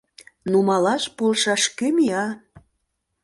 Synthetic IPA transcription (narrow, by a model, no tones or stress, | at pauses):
numɑlɑʃpolʃɑʃkymijɑ